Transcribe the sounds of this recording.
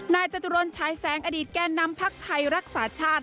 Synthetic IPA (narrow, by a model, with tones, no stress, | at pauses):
naː˧jt͡ɕa˧t̪u˧ɾo˧nt͡ɕʰaː˩˦jsɛː˩˦ŋʔa˧diː˨˩t̪̚kɛː˧nːa˧mpʰa˦˥k̚t̪ʰa˧jɾa˦˥k̚saː˩˦t͡ɕʰaː˥˩t̪̚